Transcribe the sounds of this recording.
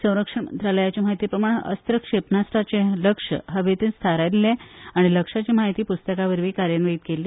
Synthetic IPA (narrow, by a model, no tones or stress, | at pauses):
sə̃w̃ɾəkʂəɳmənt̪ɾaləjat͡ɕem̤aɦit̪iːpɾəmaɽ̃eʔəst̪ɾəkʂepnasʈat͡ɕeləkʂə̰ɦəʋet̪inst̪ʰaɾaleaɽ̃iləkʂat͡ɕem̤aɦit̪iːpust̪əkaʋəɾʋiːkaɾjənʋəit̪̚kelːe